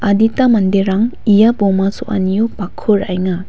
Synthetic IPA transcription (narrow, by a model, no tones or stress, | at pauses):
aditamɐndeɾaŋijabɔmasoʔa̰nijupakʰuɾajŋa